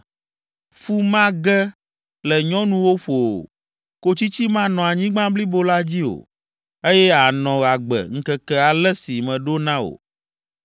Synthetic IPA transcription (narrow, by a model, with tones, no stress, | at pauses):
fu˦mã˦ɡɛ˦ | lɛ˨ɲɔ̃˦nũ˦wo˦ɸo˨o̰˨ | ko˦t͡ɕi˦t͡ɕi˦mã˦nɔ̃˨a˨ɲĩ˦ɡ͡bã˦bli˦bo˦la˦d͡ʑi˦o̰˨ | e˦jɛ˦a˨nɔ̃˨ɣa˨ɡ͡bɛ̰˨ŋ̩˦kɛ˦kɛ˦a˨lɛ˦si˨mɛ̃˨ɖo˦nã˦o̰˨